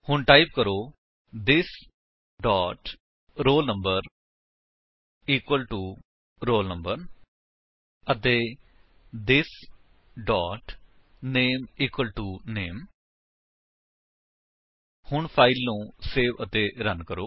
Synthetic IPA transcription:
hʊɳʈaːip̚kəɾoː | d̪ɪs | ɖɔːʈ | ɾoːlnəmbəɾ | iːkwəlʈuː | ɾoːlnəmbəɾ | ət̪eː | d̪ɪs | ɖɔːʈ | neːmiːkwəlʈuːneːm | hʊɳpʰaːɪlːũːseːʋət̪eːɾənkəɾoː

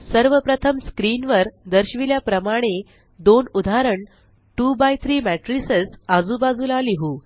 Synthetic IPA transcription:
səɾʋəpɾət̪ʰəmskɾiːnʋəɾd̪əɾɕʋiljapɾəmaɽ̃e | d̪onud̪ʱaɾəɳ | ʈubajt̪ʰɾiːmæʈɾisesad͡zubad͡zulaliɦuː

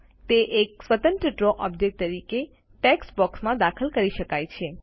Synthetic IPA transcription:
t̪eʔeksʋət̪ə̃nt̪ɾəʈɾoʔɔbd͡ʒek̚ʈ̚t̪əɾike | ʈɛksbɔksmãd̪akʰəlkəɾiʃəkajt͡ʃʰe

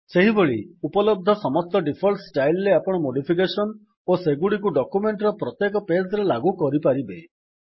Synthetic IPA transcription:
seɦiboɭiupɔlɔb̚d̪ʱɔsɔmɔst̪ɔɖipʰɔlʈsʈajlɾeapɔɽ̃ɔmoɖipʰik̬esɔn | oseɡuɽik̬uɖɔkumeɳʈɾɔpɾɔt̪jekɔpesɔɾelaɡukɔɾipaɾibe

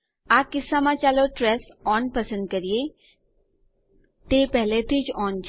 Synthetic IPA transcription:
aːkɪsːamãt͡ʃaːloʈɾɛːs | ɔːnpəsə̃nd̪̚kəɾie | t̪eːpɛɦlet̪it͡ʃɔːnt͡ʃ

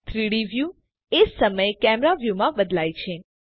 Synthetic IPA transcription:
t̪ʰɾiɽiʋju | esəməekɛmɾaʋjumãbəd̪lajt͡ʃʰe

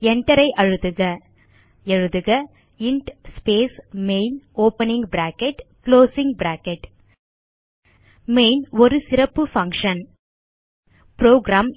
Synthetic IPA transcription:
ɛɳʈːɐɾɐɪʔɐɻɯðɯɣɐ | ɛɻɯðɯɣɐ | ɪɳʈspeːsmeɪnoːpɐnɪ̃ŋɡbɾaːkɛʈkloːsɪŋɡ̚bɾaːkɛʈ | meɪnɔɾɯsɪɾɐpːɯfɐŋkʂɐn | pɾoːɡɾaːm

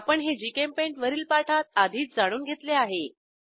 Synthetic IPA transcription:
pəɳɦed͡ʑikempẽɳʈʋəɾiːlpaʈʰat̪ad̪ʱiːt͡s̚d͡zaɽ̃uːnɡʱet̪leaɦe

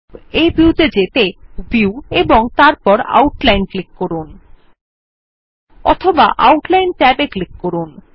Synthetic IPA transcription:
ebiut̪ed͡ʑet̪ebiueboŋt̪aɾpɔɾa̰wʈlajnklikkoɾun | ɔ̰t̪ʰoba̰ʔa̰wʈlajnʈɛbeklikːoɾun

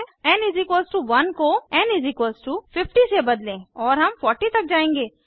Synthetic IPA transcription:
ɛ̃nɪzikwəlsʈuːʋɐnkoɛnɪzɪkwəlsʈuːpʰɪpʈisebəd̪lẽːɔːɾɦɐmpʰɔːɾʈit̪ɐk̚d͡ʒaːẽːŋɡeː

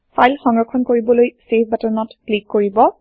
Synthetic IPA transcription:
pʰajlxɔŋɹɔkʰːɔnkoɹibɔlojsepbɛtəɹnɔtklikːoɹibɔ

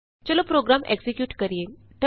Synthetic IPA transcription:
t͡ɕəlopɾoɡɾamḛɡsekjuːʈkəɾije | ʈə

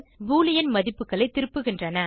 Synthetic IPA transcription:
ʋuːlɪjɐnmɐðɪpːɯkːɐɭɐɪt̪ːɪɾɯpːɯɣɪndrɐnɐ

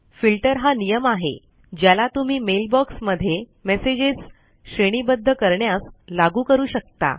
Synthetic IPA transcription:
filʈəɾɦanijəmaɦḛ | d͡ʑjalat̪um̤iːmelbɔksməd̪ʱːje | mesed͡ʑis | ɕɾeɽ̃iːbəd̪ʱːəkəɾɳjaslaɡuːkəɾuːɕək̚t̪a̰

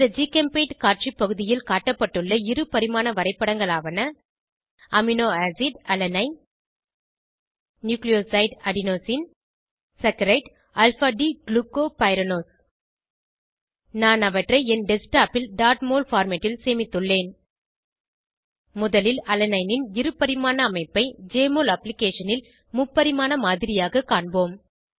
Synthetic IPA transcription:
ɐd͡ʒiːkɐmpeːʈkaːt͡ʃipːɐɣɯðɪjɪlkaːʈːɐpːɐʈːɯɭːɐɪɾɯpɐɾɪmaːnɐʋɐɾɐɪpːɐɽɐŋɡɐɭaːʋɐnɐ | ɐmɪnoːaːsɪɖɐlɐnɐɪ | njuːklɪjoːsɐɪɖɐɽɪnoːsɪn | sɐkːɐɾɐɪʈ | ɐlfaːɖiɡlukːoːpɐɪɾɐnoːs | naːnɐʋɐʈrɐɪɛnɖɛsʈaːpɪlɖaːɾʈmoːlfaːɾmɐʈːɪlseːmɪt̪ːɯɭːeːn | mʊðɐlɪlɐlɐnɐɪnɪnɪɾɯpːɐɾɪmaːnɐːmɐɪpːɐɪd͡ʒeːmoːlɐplɪkeːʂɐnɪl | mʊpːɐɾɪmaːnɐmaːðɪɾɪjaːɣɐkːaːɳboːm

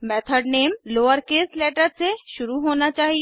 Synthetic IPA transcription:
mɛːt̪ʰəɖneːmloːəɾkeslɛːʈəɾseʃʊɾuɦoːnat͡ʃaːɦi

